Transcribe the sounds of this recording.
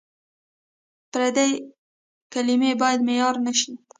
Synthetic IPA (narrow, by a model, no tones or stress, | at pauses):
pɾad̪ej | kalimebɑjad̪mejɑɾnaʃi